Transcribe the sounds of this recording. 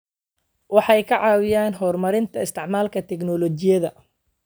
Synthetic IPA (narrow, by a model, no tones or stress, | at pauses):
wɑħɑjkʰɐʕɑːwɪjaːnɦɔːrmɐɾɪnt̪ʰɐɪst̪ʰɪʕmaːlkʰɐt̪ʰɛɡnɔlɔt͡ʃɪjɐðɐ